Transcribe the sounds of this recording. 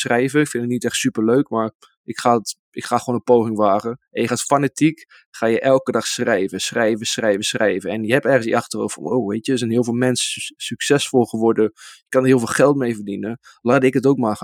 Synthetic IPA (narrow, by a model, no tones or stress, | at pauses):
srɛjvənɪkfɪndətnitɛχtsypəɹløɥkmaːɹ | ɪkχaːt | ɪkχaːχəʋondəpowχɪŋʋaːɣəʔɛnjəχaːtfanatik | χaːjəʔɛlˠkədɑχsrɛjvəsχrɛjvəsrɛjvəsχrɛjvəɛnjəɛpɛrχənsiʔɑχtəro̰wfɔ̰no̰wʋejtjəsɛnɦɪːlˠvɪːlˠmɛnssyksɛsfɔlˠχəʋɔɹdəjəkɑndərɦiːlˠveːlˠχɛlˠtmejvərdinə | laːdɪkətowkmaːχ